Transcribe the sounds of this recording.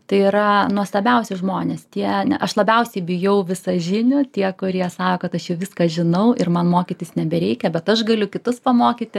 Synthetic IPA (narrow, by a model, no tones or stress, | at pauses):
t̪ɐɪiɾɐnuɔst̪ˠɐbʲɛʊsʲɪʒmoːnʲeːst̪ʲiɛnʲɛʔɐʃlˠɐbʲɛʊsʲɛɪbʲɪjɛʊʋʲɪsɐʒʲɪnʲʊt̪ʲiɛkʊɾʲiɛsɑːkoːkɐt̪ɐʃjɛʊʋʲɪskɐʒʲɪnɐʊɪrmɐnmoːkʲiːtʲɪsnʲɛbʲɛɾʲɛɪkʲɛbʲɛt̪ɐʃɡɐlʲʊkʲɪt̪ʊspɐmoːkʲiːt̪ʲɪ